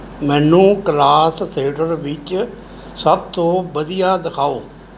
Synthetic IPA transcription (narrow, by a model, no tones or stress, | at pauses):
mɛ̃ːnːũːklaːst̪ʰeːʈəɾʋɪt͡ʃ | səb̚t̪õːbəd̪ijaːd̪ɪkʰaːoː